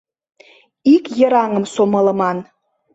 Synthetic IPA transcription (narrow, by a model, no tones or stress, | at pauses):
ikjə̆ɾɑŋə̆msomələ̆mɑn